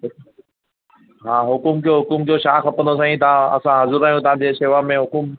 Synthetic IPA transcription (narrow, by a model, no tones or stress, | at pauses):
ɦʊ | ɦãːɦʊkʊmkijoɦʊkʊmkijoʃaːxɐpə̃nd̪os̬ãĩt̪ɐãɐ̰sãɦɐzuɾaːɦijũt̪ɐɦãɲd͡ʑeseːʋamẽɦʊkʊm